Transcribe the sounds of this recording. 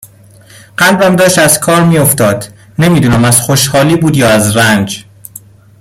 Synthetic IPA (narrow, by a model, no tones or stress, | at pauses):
ɢ̥ælbæmd̪ɒːʃt̪æzkʰɒːɾmiːjoft̪ɒːd̪ | nemiːd̪uːnæmæz̥xoʃhɒːliːbuːd̪jɒːæzɾænd͡ʒ